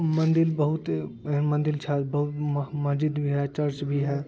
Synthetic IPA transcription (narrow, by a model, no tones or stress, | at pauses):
mə̃nd̪ɪlbɐɦʊt̪mə̃nd̪ɪlt͡ʃʰɛbɐɦʊt̪mɐsd͡ʒid̪bʱiɦɛt͡ʃɐɾt͡ʃbʱiɦɛ